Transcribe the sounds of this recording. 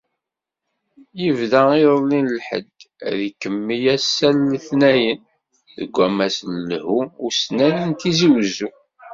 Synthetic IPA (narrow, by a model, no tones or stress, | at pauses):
jəvðæiðˤəlːinəlħə̰d̪ | ðikːəmːijæsːælːəθnæjən | ðə̰ɡʷːæmæsllhuːsnænənt̪iziwzu